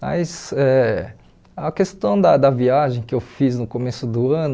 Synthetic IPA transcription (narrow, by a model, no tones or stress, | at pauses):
mɐ̰jzɛ | ɐkest̪ɐ̃w̃d̪ɐd̪ɐviaʒẽj̃kɪewfiznʊkomesʊd̪ʊɐ̃nʊ